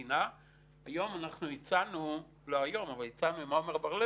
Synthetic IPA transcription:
ina | ajo̞manaχnuit͡sanu | lo̞ajo̞mavalit͡sanumaomeʁbaʁle

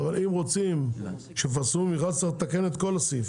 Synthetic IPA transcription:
valimʁo̞t͡sim | ʃefasumiχad̪t͡saʁt̪ake̞net̪ko̞lasif

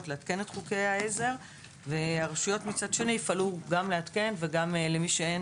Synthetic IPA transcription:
tleat̪ke̞netχuke̞jaeze̞ʁ | veaʁaʃujo̞tmit͡sadʃe̞niifaluɡamleat̪ke̞nveɡamlemiʃeen

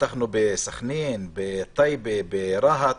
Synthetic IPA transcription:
aχnubesaχninbet̪ˤajbebeɾaɦa

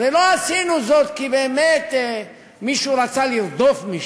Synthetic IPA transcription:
veloasinuzo̞t̪kibeːmet̪ | miʃuɾat͡saliɾd̪ofmiʃ

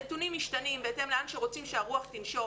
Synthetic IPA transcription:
et̪unimːiʃtanimbeeːt̪emleanʃeʁot͡simʃeaʁuaχt̪inʃo

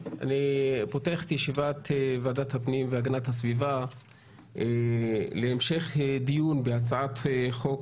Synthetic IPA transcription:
ʔa̰nipoteaχet̪jeʃivat̪evaːdathapnimveaɡanathasviva | eleːmʃe̞χdijunbeat͡saat̪χo̞k

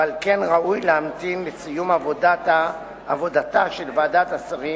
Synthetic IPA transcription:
alkenʁaujleamt̪inlet͡sijumavodaa | avo̞d̪at̪aʃelvaːdat̪asaʁi

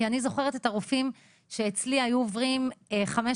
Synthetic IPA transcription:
ianizo̞χe̞ʁet̪etaʁufim | ʃe̞ːt͡sliajuovʁimeχame̞

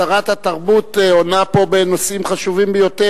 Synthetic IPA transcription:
aʁat̪hat̪aʁbut̪eo̞napo̞benosimχaʃuvimbejo̞t̪e

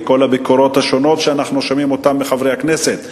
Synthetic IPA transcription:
ko̞labikoɾo̞t̪haʃo̞no̞t̪ʃeanaχnuʃamimo̞tamːeχavʁejhakneset̪

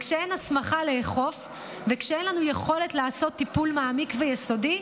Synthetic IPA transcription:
kʃeenasmaχaleːχo̞f | vekʃeenlanujeχo̞letlaːso̞t̪ːipulmaːmikvejesodi

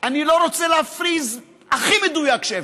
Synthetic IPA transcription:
anilo̞ɾot͡seleafɾiz | aχimed̪ujakʃe

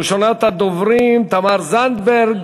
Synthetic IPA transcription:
ʃonat̪ad̪ovɾimt̪amaɾzand̪beɾɡ

